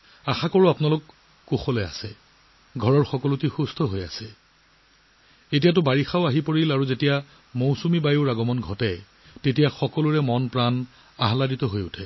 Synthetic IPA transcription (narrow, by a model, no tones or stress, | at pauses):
axakɔɹuapʊnalʊkː | uxɔlɛa̰sɛ | ɡʱɔɹɔɹxɔkɔlutixustʰɔɦoja̰sɛ | etijat̬ʊbaɹixaʊaɦipoɹilaɹuzetija | mowsumibajuɹaɡɔmɔnɡʱɔtɛ | tetijaxɔkɔluɹɛmɔnpɹan | aɦaladitɔɦojʊtʰɛ